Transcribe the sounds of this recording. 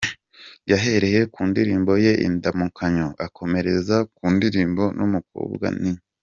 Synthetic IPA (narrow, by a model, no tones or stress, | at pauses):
jaɦe̞ɾe̞je̞kuːndiɾiːmbo̞je̞ʔḭndamukʰaɲoakʰo̞me̞ɾe̞zakuːndiɾiːmbo̞numuko̰ːbɡa̰niɲ